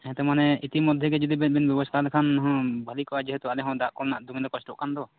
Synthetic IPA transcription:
ɛ̃t̪ɛmanɛit̪imɔd̪ʱjɛɡɛd͡ʒɔd̪ibɛbɛnbjɔbɔst̪ʰalɛkʰanɦɔ̃bʱalikɔʔad͡ʒɛɦɛt̪ualɛɦɔ̃d̪aʔkɔɾnaʔd̪uŋɛd̪ɔkɔsʈɔ̰ʔkand̪ɔ

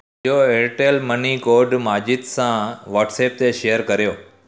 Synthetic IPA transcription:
oeːɾʈelmɐnikoːɾɖmaːd͡ʑɪd̪sãʋɐːɾʈseːp̚t̪eʃejəɾkɐɾijoː

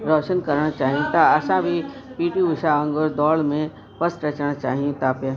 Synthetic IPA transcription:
ɾɔːʃənkɐɾɳat͡ʃaːɦiũt̪aɐsãbʱipiːʈiʋʊʃaə̃ŋɡoɾd̪ɔːlmẽ | pɐsɾɐt͡ʃɽ̃at͡ʃaːɦiũt̪aːpja

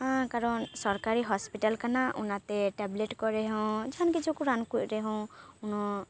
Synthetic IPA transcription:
ɦãkaɾɔnsɔɾkaɾiɦɔspiʈalkanaṵnat̪ɛʈɛbleʈkɔɾɛɦɔ̃d͡ʒaɦankit͡ʃʰukuɾankuc̚ˀɾɛɦɔ̃unɔ

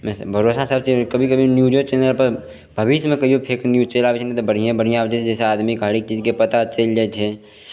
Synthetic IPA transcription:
mɛsbʱəɾoːsasəb̚t͡ʃekəbʱikəbʱinjuːd͡ʒot͡ʃeːnəlpəɾ | bʱəbɪʃmẽkɐiopʰeːknjut͡ʃeːlabet͡ʃʰenat̪obəɽ̤ijẽbəɽ̤ijãd͡ʒɛːt͡ʃd͡ʒɛːseaːd̪mikaːɽik̚t͡ʃiːd͡ʒkepət̪at͡ʃeld͡ʒɛt͡ʃʰe

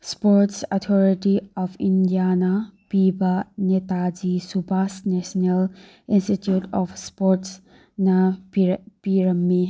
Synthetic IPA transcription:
spoɾtsɔt̪ʰɔɾiʈiɔpʰindijanɐpibɐnet̪ad͡ʒisubʱasnesnel | institjutɔfʰspoɾts | nɐ | piɾɐmːi

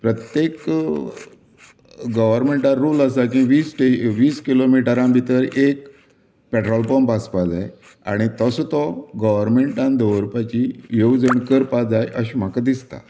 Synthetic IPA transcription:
pɾət̪jek | ɡəʋəɾmeɳʈaɾuːləsak̬ĩʋiːsʈeʋiːskilomiʈəɾãbʱit̪əɾek̚ | pɛʈɾɔlpɔmpaspad͡zaj | a̰ɽ̃it̪əsɔt̪ɔɡəʋəɾmeɳʈãnd̪əʋəɾpat͡ɕijod͡zəɳkəɾpad͡zajʔəɕim̤akad̪ist̪a̰

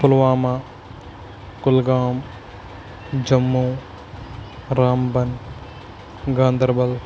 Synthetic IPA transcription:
pʊlʋaːma | kʊlɡaːm | d͡ʒɐmːuː | ɾaːmbɐn | ɡaːnd̪ɐɾbɐl

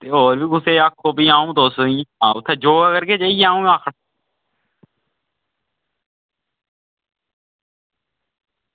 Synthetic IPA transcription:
t̪eːɦoːɾbiːɡʊseːakʰːoːbiːãːũːt̪oːsoĩːãːʊt̪ʰːeːd͡ʒoːəkəɾkeːd͡ʒaieãːũːãːkʰə

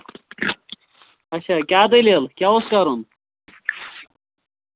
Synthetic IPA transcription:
ɐɕɐkʲaːd̪ɐlelkʲaːoskaɾun

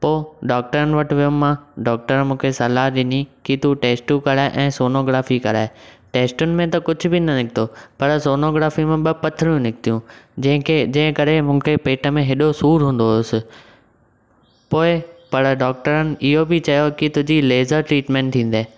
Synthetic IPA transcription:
poːɖaːk̚ʈəɾənɪ̆ʋɐʈʋijʊmːãɖɔːk̚ʈəɾmũːkʰesɐlaːɗɪnikit̪uʈeːsʈukɐɾaːɪʔɛ̃ːsoːnoːɡɾaːfikɐɾaːɪʈeːsʈʊnɪ̆mẽt̪ɐkʊd͡ʑʱʊ̆bɪnɐnɪk̚ʰt̪opɐɾsoːnoːɡɾaːfimẽɓɐpɐt̪ʰɪɾjũnɪk̚t̪ijũd͡ʑɐ̃ɦɪ̃kʰed͡ʑɐ̃ɦɪ̃kɐɾemũːkʰepeːʈʰəmẽɦɪɗosuːɾɦũːn̆d̪oʊsɪ̆ | poːɪpɐɾɖɔːk̚ʈəɾənɪ̆ʔɪɦobɪt͡ɕɐjokɪt̪ʊd͡ʑileːzəɾʈɾiːʈmɛ̃ːɳʈ̚t̪ʰĩːnd̪aː

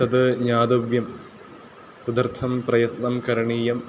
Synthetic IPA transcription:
t̪ɐd̪ɨɲaːd̪ɐʋjɐm | pud̪ɐrt̪ʰːɐmprɐjɐt̪nɐmkɐɾɐɳiːjɐm

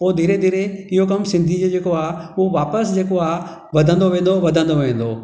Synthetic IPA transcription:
oːd̪iːɾed̪iːɾeɪɦokɐmsɪ̃nd̪ʱid͡ʑed͡ʑeːkoaːʊɦoʋaːpəsd͡ʑeːkoaːɦ | ʋɐd̪ʱə̃nd̪oʋẽːn̆d̪oʋɐd̪ʱə̃nd̪oʋẽːn̆d̪oː

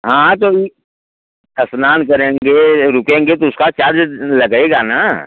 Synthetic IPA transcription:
ɦãːt̪oi | ɐsnaːnkɐɾẽːŋɡeɾʊkẽːŋɡet̪oʊskat͡ʃaːɾd͡ʒlɐɡeɡana

